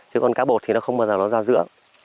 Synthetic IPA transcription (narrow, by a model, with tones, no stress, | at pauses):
t͡ɕɨ˨˦kɔ˧nkaː˨˦ɓo˨˩t̚t̪i˨˩nɔ˨˦xə˧wŋ͡mɓəː˨˩zaː˨˩nɔ˨˦zaː˧zɨ̰˧˥ə